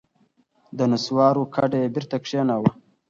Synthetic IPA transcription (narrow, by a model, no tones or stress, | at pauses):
d̪ənuswɑːɾukʰaɖeebiɾt̪akʂenawa